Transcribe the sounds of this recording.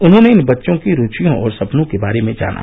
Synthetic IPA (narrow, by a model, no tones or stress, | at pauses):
ʊnɦõneɪnbɐtːʃõkiɾuːt͡ʃijõɔːɾsɐpnõkebaːɾemẽd͡ʒa̰ːnʔa̰